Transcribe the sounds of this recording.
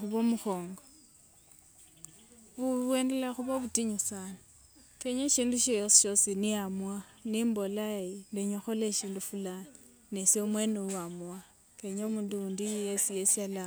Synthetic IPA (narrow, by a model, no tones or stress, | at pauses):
xuβomuxoːŋɡa | βuwendelexuβaβutiɲusani | keɲeʃiːnduʃosʃosiniamwanimbolaindeɲoxoleʃiːndufulan | nesoumweneuamwa | keɲoumunduundijesijesiala